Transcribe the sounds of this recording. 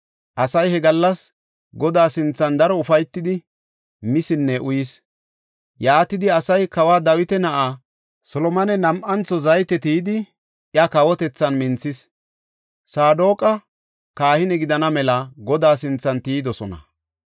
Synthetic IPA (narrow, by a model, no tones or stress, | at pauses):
ʔɐsɐjhɛɡɐlːɐs | ɡɔd̪aːsɪnt͡sːɐnd̪ɐɾɔʊfɐjt̪ːɪd̪ɪ | mɪsɪnːɛʔʊjɪs | jaːt̪ɪd̪ɪɐsɐjkɐwaːd̪ɐwɪt̪ɛnɐʔaː | sɔlɔmɐnɛnɐmʔɐnt͡sːɔzɐjt̪ɛt̪iːd̪ɪ | ʔɪɐkɐwɔt̪ɛt͡sːɐnmɪnt͡sːɪs | saːd̪o̞ːkʼɐ | kaːhɪnɛɡɪd̪ɐnɐmɛlɐɡɔd̪aːsɪnt͡sːɐnt̪iːd̪ɔsɔnɐ̰